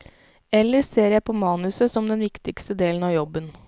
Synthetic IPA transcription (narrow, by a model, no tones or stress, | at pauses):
ɛlːəɾseːɾjæɪpʰoːmɑːnʉsəsɔmd̪ɛnʋɪkt̪ɪkst̪əd̪eːln̩ɑːʋjɔbːən